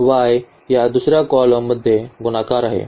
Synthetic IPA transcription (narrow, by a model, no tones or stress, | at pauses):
ʋaj | jad̪usɾjakɔlomud̪ʱːjeɡunakaɾaɦḛ